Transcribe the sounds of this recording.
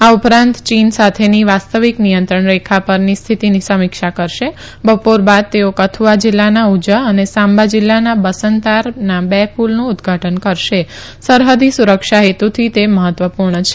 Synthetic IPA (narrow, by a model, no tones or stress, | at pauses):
aupɾãnt̪t͡ʃinsat̪ʰeniʋast̪əʋiknijənt̪ɾəɳɾekʰapəɾnist̪ʰit̪inisəmikʃakəɾʃe | bəpoɾbad̪̚t̪eokət̪ʰuad͡ʒɪlːanaud͡ʒəənesãmbad͡ʒɪlːanabəsənt̪aɾnabɛpʰulnũːd̪ɡʱaʈənkəɾʃe | səɾɦəd̪isuɾəkʃaɦet̪ut̪ʰit̪eməɦət̪ʋəpuɾɳət͡ʃʰe̥